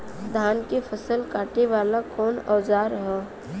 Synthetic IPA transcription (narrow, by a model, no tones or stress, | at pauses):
d̪ʱaːnkepʰəsəlkaːʈeʋaːlakɔːnɔːzaːɾɦɛ̃ː